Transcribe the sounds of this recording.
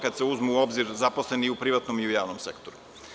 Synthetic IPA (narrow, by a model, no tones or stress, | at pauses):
kad̪seuzmuːo̞bziɾzaposlˠe̞niupɾiʋat̪nomiujaːʋnomsḛkt̪oɾu